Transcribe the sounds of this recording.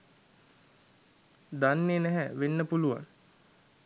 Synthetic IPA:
d̪anːeːnɛɦɛʋenːəpuluʋa̰ŋ

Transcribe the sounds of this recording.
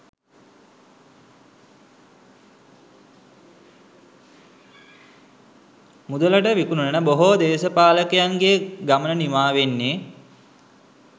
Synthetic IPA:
mud̪ələʈəʋikununənəboɦod̪eːsəpaːləkejaŋɡeɡamənənimaːʋenːeː

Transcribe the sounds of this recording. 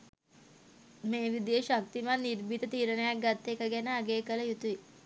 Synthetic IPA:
meːʋid̪ijəʃak̚t̪imanːirbit̪ət̪iːɾənəjak̚ɡat̪ːekəɡɛnəːɡeːkələjut̪ui

